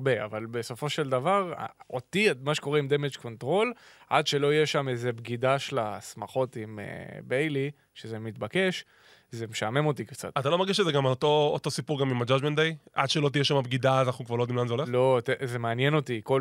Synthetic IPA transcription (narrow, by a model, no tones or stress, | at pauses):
bea̰valbe̞so̞fo̞ʃeld̪avaʁ̰ot̪imaʃeko̞ʁeimd̪e̞med͡ʒko̞ntʁo̞lʔad̪ʃe̞lo̞ijeʃamezebɡidaʃlasmaχo̞t̪imḛbejli | ʃeze̞mit̪bake̞ʃ | ze̞meʃame̞mo̞t̪ikt͡sa̰t̪at̪alomeʁɡiʃezeɡamt̪oot̪o̞sipuʁɡamimad͡ʒad͡ʒment̪̚d̪ejʔad̪ʃelot̪̬ijeʃamabɡid̪azanaχnukvaʁlod̪imlanzeolelo̞t̪eze̞meanje̞no̞tiko